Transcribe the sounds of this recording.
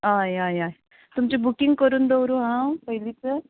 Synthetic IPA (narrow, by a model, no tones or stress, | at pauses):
ajajaj | t̪umt͡ɕebukɪŋɡ̚kəɾuːnd̪owɾuɦãpəɦilit͡se